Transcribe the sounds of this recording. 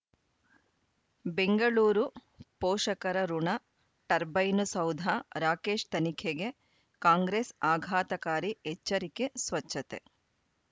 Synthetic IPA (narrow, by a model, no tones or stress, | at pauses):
beŋɡɐɭuːɾu | pɔːʂɐkɐɾɐɾuɳɐ | ʈɐɾbɐjnusɐwd̪ʱaɾaːkeːʂt̪ɐnikʰeɡe | kaːŋɡɾesaːɡʱaːt̪ɐkaːɾiet͡ʃːɐɾikesʋɐt͡ʃːɐt̪e